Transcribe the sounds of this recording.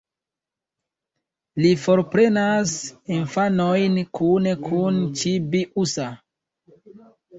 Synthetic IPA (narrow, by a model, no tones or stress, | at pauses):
lifo̞ɾpɾe̞nasinfanojnkʰunekʰunt͡ʃibiʔusa